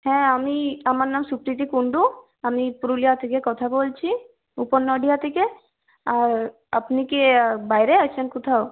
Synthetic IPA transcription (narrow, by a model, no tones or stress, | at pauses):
hɛ̃amiamaɾnamsukɾit̪ikuɳɖu | amipuɾulijat̪ʰekekɔt̪ʰabolt͡ʃʰi | uponːɔɖijat̪ʰeke | aɾ | a̰pnikebajɾeat͡ʃʰenkut̪ʰao